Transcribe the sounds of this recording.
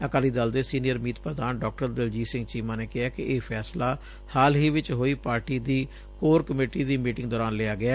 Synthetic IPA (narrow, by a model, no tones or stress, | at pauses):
əkaːliːd̪aːld̪eːsiːnijəɾmiːt̪pɾəd̪aːnɖɔːk̚ʈəɾd̪ɪld͡ʒiːsɪ̃ŋɡt͡ʃiːmãːneːkɪɦaːkɪʔeːpʰɛːslaː | haːlɦiːʋɪt͡ʃɦoːiːpaːɾʈiːd̪iː | koːɾkəmeːʈiːd̪iːmiːʈɪ̃ŋɡd̪ɔːɾaːnlɪaːɡɪɛː